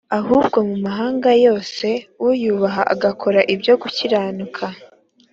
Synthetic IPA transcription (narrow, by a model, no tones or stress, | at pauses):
ahuːbɡo̞mumaɦaːŋɡajo̞ːse̞wujuβaɦaʔaɡakʰo̞ɾaʔibjo̞ɡuciɾaːnukʰa